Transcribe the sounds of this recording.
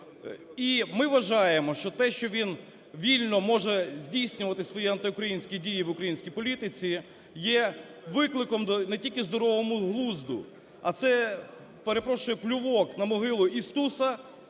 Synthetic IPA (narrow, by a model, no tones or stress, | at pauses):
imɪʋɐʒɑjemɔʃt͡ʃɔt̪ɛʃt͡ʃɔʋʲin | ʋʲilʲnɔmɔʒɛzʲdʲijsʲnʲʊʋɐt̪ɪsʋɔjiɐnt̪ɪʊkɾɐjinʲsʲkʲidʲijiʋʊkɾɐjinʲsʲkʲijpɔlʲit̪ɪt͡sʲi | jɛ | ʋɪklˠɪkɔmnɛtʲilʲkɪzd̪ɔɾɔʋɔmʊɦlˠuzd̪ʊ̰ | ɐt̪sɛ | peɾepɾɔʃʊjɛplʲʊʋɔknɐmɔɦɪlˠʊʔist̪usɐ